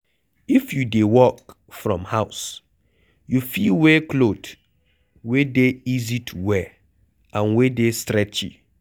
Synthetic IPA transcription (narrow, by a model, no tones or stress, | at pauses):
ifjudewɔk | fɹɔ̰̃mhaʊs | jufiwekʰlot | wedeizitʰuwɛ | ãnwedestɾɛt͡ʃḭ